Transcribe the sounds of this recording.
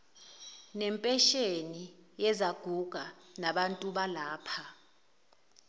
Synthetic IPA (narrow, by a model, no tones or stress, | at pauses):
nɛmpʼɛʃenijɛzaɡ̥ʱuɡ̥ʱanaɓantʼuɓalaːpʰa